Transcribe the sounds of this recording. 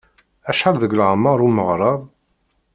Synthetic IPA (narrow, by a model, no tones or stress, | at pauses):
æʃəɾˤðəɡlʕamːəɾˤuməʁɾˤɑðˤ